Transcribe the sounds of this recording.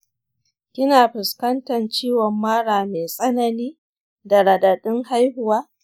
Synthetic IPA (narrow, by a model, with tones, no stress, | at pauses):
kʲɪ˦naː˨ɸɪ˨skɐ˦ntɐ˨nt͡ʃiː˦wɔ˨mːaː˦ɽaː˨meː˨sʼɐ˦nɐ˦niː˦ | da˨ɽɐ˨dɐ˨ɗɪ˦ŋha˦jɦʊ˨waː˦